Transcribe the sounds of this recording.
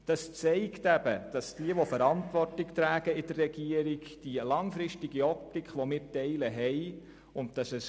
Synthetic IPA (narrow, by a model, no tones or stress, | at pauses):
d̥ɑst͡sɛɪktæbəd̥ɑsd̥iəʋofəɾɑntʋɔrtɪktɾæːɡ̥əɪdərːɛɡiəɾiɡd̥ilɑŋfɾɪʃtɪɡiɔp̚tɪkχʋɔmɪːɾtɛɪləɦɛj | ʊnt̚d̥ɑsɛs